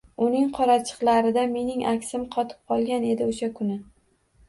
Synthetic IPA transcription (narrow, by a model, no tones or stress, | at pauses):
ʊnɪŋqʰɒɾat͡ʃʰɨ̥qlaɾɪd̪ame̞nɪŋʔakʲsɪmqʰɒt̪ʰɪ̥p̚qʰɒlˠɡʲane̞d̪ɪoʃakʰʊnɪ